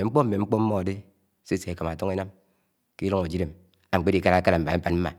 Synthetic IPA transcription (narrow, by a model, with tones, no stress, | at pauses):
e˨ŋ͡m̩˦k͡po˦m̩˦me˨ŋ͡m̩˦k͡po˦m̩˦mːɔ˦a˨de˦ | se˦se˨e˨ka˨ma˨to˦ŋi˦na˦m | ki˦lo˦ŋo˨d͡ʒi˦ɾe˨m | a˨ŋ͡m̩˨k͡pe˦di˨ka˦ɾa˨˦ka˦ɾa˨m̩˨ba˨˦a˦nm̩˦ma̰˨